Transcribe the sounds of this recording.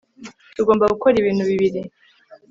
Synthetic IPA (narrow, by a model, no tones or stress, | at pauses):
tuɡoːmbaɡukoɾiβiːn̥huβiβiɾi